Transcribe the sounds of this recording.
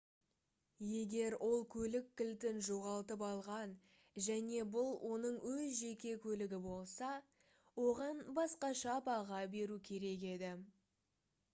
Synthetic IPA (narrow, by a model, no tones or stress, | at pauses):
je̞ɡʲe̞ɾwʔo̞lˠkʲʰɵlɪkʲːɪlt̪ɪnʒoʁɑlˠt̪əpɑlˠʁɑn | ʒæne̞bʊlˠwʔo̞nəɴwɵzʒe̞kʲe̞kʲʰɵlɪɡʲɪbo̞lˠsɑ | wo̞ʁɑnbɑsqɑʃɑpɑʁɑbe̞ɾukʲʰe̞ɾe̞k̬e̞d̪ɪ